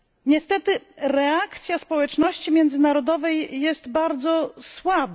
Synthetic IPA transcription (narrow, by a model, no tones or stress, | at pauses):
ɲɛst̪ɛt̪ɘɾɛakt̪sʲjaspɔwɛt͡ʂnɔɕt͡ɕimʲjɛnd̪zɘnaɾɔd̪ɔvɛjːɛst̪baɾd̪zɔswab